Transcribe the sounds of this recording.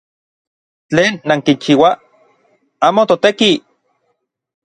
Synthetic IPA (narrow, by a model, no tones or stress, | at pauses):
t͡ɬeːnːaŋkint͡ʃiːwa | aːmot̪ot̪eki